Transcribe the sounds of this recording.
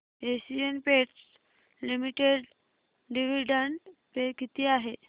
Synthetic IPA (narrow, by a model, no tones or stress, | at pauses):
esiənpeʈs | limiʈeɽ | ɖiʋiɖəɳʈpekit̪iːaɦe